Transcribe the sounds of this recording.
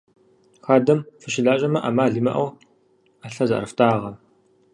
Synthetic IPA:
xaːdɐmfɨʃɪɮaːɕʼɐmɐʔamaːɮimɐ̰ʔɐw | aɬɐzɐ̰ʔrɨftʰʼaːʁɐ

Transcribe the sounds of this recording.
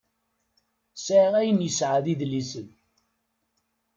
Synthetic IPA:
saʁæjənjəsʕaðiðlːisən

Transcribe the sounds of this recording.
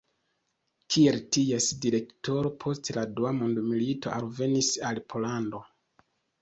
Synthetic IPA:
kʰie̞ltiesdiɾe̞kto̞ɾo̞pʰo̞steladuamundumilito̞alve̞nisalpʰo̞lando̞

